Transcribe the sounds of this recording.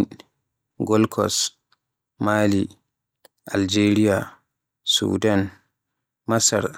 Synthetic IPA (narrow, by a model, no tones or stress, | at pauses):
ɡɔlkʰɔ̰s | maːli | ʔa̰ld͡ʒeɾija | sṵdan | masa̰ɾ